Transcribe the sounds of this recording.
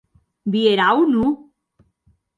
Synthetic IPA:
bieɾaunu

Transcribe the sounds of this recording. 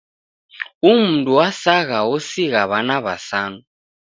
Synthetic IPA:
um̩ntʼuwasaɣaosiɣaβanaβa̰saːnu

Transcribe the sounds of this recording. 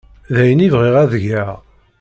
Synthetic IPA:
ðæjənivʁiʁæðəʝæʁ

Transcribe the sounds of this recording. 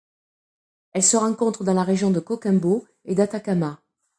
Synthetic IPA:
ɛlsəʁɑ̃kɔ̃t̪χəd̪ɑ̃laʁeʒjɔ̃d̪əkɔkɛ̃bo | ed̪at̪akama

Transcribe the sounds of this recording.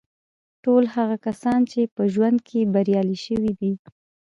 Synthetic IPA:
ʈolhaɣakasɑnt͡ʃepəʒwand̪̚kʰebaɾjɑliʃəwid̪i

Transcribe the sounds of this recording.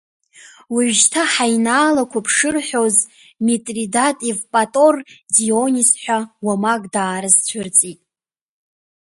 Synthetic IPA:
wiʕʷʒtʰaħajnaːlakʷʰapʰʂɨrħʷo̞z | metʼridatʼivpʼatʼo̞rdionisħʷawamaɡʼdaːɾɨzt͡ɕʷʰʊrt͡sʼitʼ

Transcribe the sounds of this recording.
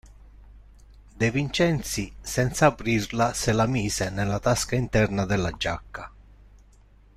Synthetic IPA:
d̪evint͡ʃɛnt̪sisɛnt̪saːpɾirlaselamiːsenɛlːat̪askaint̪ɛrnad̪ɛlːad͡ʒakːa

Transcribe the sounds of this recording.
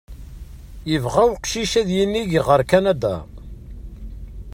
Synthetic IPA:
jəvʁæwqʃiʃæðjinːiʝʁəɾkænæd̪æ̰

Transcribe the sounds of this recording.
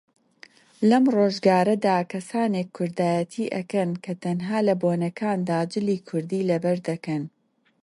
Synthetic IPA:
lɐmroːʒɡaːɾɐd̪aːkʰɐsaːnekʰːʊɾd̪aːjɐt̪ʰiːʔɐkɐnkʰɐt̪ɐnɦaːlɐboːnɐkʰaːnd̪aːd͡ʒɪliːkʰʊɾd̪iːlɐbɐɾd̪ɐkɐn

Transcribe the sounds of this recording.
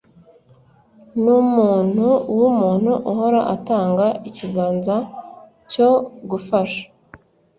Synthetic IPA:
numuːn̥huwumuːn̥huʔuɦo̞ɾaʔataːŋɡaiciɡaːnza | coɡufaʃḁ

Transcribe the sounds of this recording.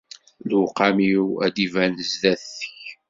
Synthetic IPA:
lqamiwæ̰d̪ivænəzðæθθəç

